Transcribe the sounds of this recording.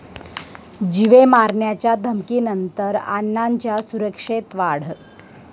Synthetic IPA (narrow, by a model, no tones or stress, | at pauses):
d͡ʑiʋemaɾɳjat͡ɕjad̪ʱəmkiːnənt̪əɾa̰nːaɲt͡ɕjasuɾəkʂet̪ʋaɽ̤